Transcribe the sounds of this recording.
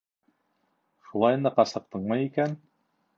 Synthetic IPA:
ʃulˠɑjɤnd̪ɤqɑsɤ̆q̚t̪ɤɴmɑjikæn

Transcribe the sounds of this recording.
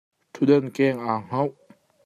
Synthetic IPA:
t̪ʰud̪ənkɛːŋʔaːŋ̥ɐw

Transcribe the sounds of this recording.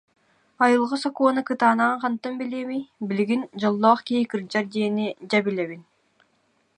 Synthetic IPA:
ɑjɯlˠʁɯsɔkoːnɯkɯt̪aːnɑɴqʰɑnt̪ːɯmbilʲeːmijbiliɡind͡ʑɔlˠːɔːχkikɯɾd͡ʑaɾd̪eːnid͡ʑabilʲɛβin

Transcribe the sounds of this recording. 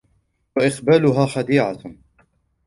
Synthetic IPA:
waʔɪqbaːlʊɦaːxɑd̪iːʕa

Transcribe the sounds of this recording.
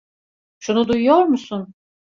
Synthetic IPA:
ʃunud̪ujujoɾmusun

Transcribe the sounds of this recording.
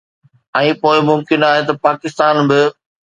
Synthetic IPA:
ɛ̃ːpoːɪmʊmkɪnaːɦet̪ɐpaːkɪst̪aːnbɪ

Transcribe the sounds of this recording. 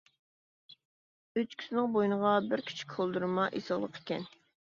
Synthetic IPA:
øt͡ʃkʲʰy̥sɪnɪŋbojnəʁɑbɪɾkʲʰi̥t͡ʃʰi̥kʲkʰolˠd̪uɾɨmɑʔḭsɑlˠə̰qʰe̥kʲɛn

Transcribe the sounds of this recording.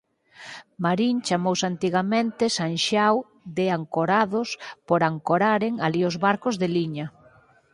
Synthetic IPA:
maɾint͡ʃamowsant̪iɣamẽnt̪esanʃaw | ðeaŋkoɾaðospoɾaŋkoɾaɾeŋaliozβaɾkozðeliɲa

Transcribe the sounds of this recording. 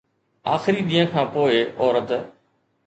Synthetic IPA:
aːxɪɾiːɗ̪iːə̃kʰãːpoːɪʔɔːɾət̪

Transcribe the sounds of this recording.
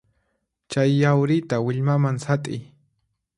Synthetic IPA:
t͡ʃajːawɾɪt̪awɪʎmamaŋsat̪ʼɪj

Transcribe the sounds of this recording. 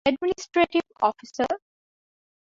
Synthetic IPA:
ɛɖmɪnɪsʈɾeʈiʋɔ̰ːfisə

